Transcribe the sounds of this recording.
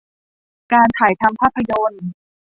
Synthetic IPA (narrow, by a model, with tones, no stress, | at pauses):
kaː˧nt̪ʰaː˩˦jt̪ʰa˧mpʰaː˥˩pʰːa˧jo˧n